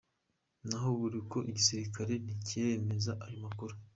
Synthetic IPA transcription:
naɦoβuɾiko̞ʔiɟisiɾikaɾe̞niceme̞zaʔaɾimakuɾu

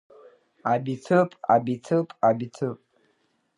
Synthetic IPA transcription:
abitʰɨpʼa̰bitʰɨpʼabitʰɨpʼ

